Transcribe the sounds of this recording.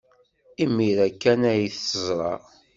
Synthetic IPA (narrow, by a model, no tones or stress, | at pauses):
imːiɾækːænæjiθəzˤɾˤɑ̰